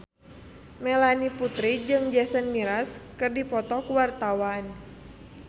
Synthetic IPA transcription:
mɛlaniput̪ɾid͡ʒɨŋd͡ʒɛsənmiɾaskɨrdipɔt̪ɔkuwart̪awan

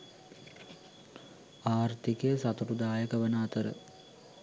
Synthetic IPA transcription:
aːrt̪ikəjəsat̪uʈud̪aːjəkəʋənaːt̪əɾə̰

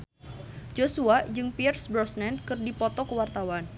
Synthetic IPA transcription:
d͡ʒosuad͡ʒɨŋpiɛrsbɾɔsnɛnkɨrdipɔt̪ɔkəwart̪awan

